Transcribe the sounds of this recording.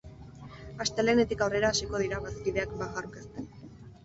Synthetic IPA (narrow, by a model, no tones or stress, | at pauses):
ast̪e̞le̞ne̞t̪ikawre̞ɾaːsiko̞ð̞iɾaβaskiðe̞akbaɣaɾkast̪en